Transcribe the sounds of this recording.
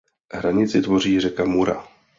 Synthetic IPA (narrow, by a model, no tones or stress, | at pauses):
ɦɾaɲɪt͡sɪt̪vo̞r̝iːrɛkamuɾa̰